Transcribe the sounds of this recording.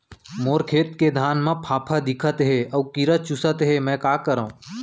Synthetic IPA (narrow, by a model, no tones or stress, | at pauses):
moːɾkʰeːt̪ked̪ʱaːnmẽpʰaːpʰad̪ɪkʰət̪ɦeɐːkiɾət͡ʃʊsət̪ɦemɛ̃ːkaːkəɾaũː